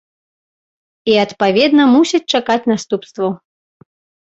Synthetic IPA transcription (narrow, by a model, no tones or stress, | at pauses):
iɐt̪pavʲɛd̪nɐmusʲit͡sʲt͡ʂakat͡sʲnast̪upst̪vɐ